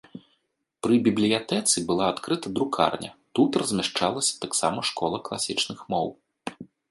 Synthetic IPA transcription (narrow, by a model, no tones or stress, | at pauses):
pɾɨbʲiblʲijat̪ɛt̪sɨbɨlˠaːt̪kɾɨt̪ɐd̪ɾukʰa̰rnʲʔɐ̰t̪ut̪ɾɐzʲmʲaʂt͡ʂalˠɐsʲɐ̥t̪aksamɐʂkɔlˠɐklˠasʲit͡ʂnɨxmɔw